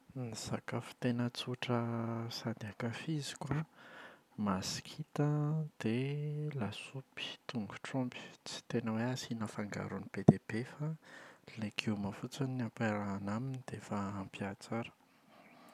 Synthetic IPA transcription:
niz̥akəfi̥t̪enət͡suʈ͡ʂəsand̪iakafizi̥kwa | masi̥kʰit̪əd̪̥elasupi̥t̪uŋɡuʈ͡ʂrɔmpi̥t͡si̥t̪enəweasinafaŋɡa̰ɾunibed̪ebefalekʰiwmafut͡sanampaɾaːnaminid̪̥efaːmpiat͡saɾə̥

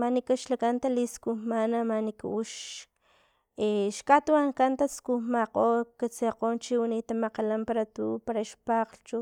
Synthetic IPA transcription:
manikaʃlakant̪aliskuhmanamanikauʃ | eʃkʼat̪uaŋkant̪askumaqʼoːkat͡seqoːnt͡ʃiwunit̪amaqalampaɾat̪uːpaɾaʃpaːqlt͡ʃu

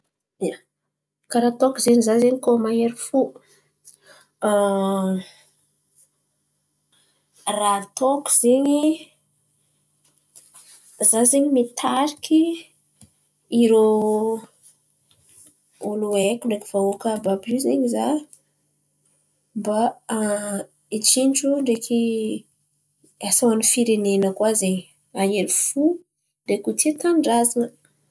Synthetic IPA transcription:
ja | kaɾat̪okuzeɲizazeɲikomaeɾifu | rat̪oku̥z̥eɲi | zazeɲimit̪ʰaɾikʰi | iɾo | oluekuɳɖ͡ʐekiv̥aokəbabizeɲiza | mba | it͡ʃinʈ͡ʂuɳɖ͡ʐekʰi | asawanifiɾenenəkwaze | aɦeɾifu | ɖ͡ʐekut̪ʰit̪anɖ͡ʐazanə

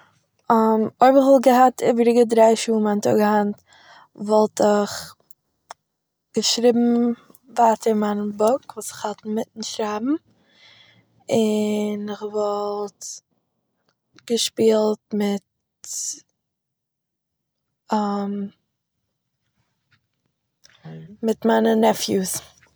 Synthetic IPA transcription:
amoɪbɪχvɔlˠɡəhatʰɪbəɾɪɡədɾaɪʃuːmantʰɔ̰ɡəhant | vɔlˠtɪχ | ɡ̥əʃɾiːbm̩ | vaːtʰəɾmanəbɔkvuːsɪ̥χhatn̩mɪtn̩ʃɾaːbm̩ | ɪnɪχvɔlˠt | ɡ̥əʃpiːlˠtmɪt | am | mɪtmaːnənɛfjus

